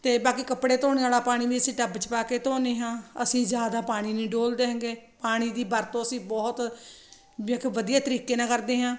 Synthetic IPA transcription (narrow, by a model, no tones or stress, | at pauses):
t̪eːbaːkiːkəpɽeːt̪oːñeːʋaːlaːpaːɽ̃ĩːʋiːəsĩːʈəbt͡ʃpaːkeːt̪oːneːɦãːəsĩːd͡ʒjaːd̪aːpaːɽ̃iːnĩːɖoːld̪eːɦɛ̃ŋɡeːpaːɽ̃iːd̪iːbəɾt̪õːəsĩːbɔːt̪ | ẽːkːʋəd̪ijaːt̪əɾiːkeːnãːkəɾd̪eːɦãː